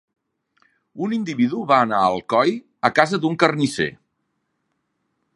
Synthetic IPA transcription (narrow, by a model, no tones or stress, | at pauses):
unind̪iβiðuβaənaəlˠkɔj | əkazəd̪uŋkərnisḛ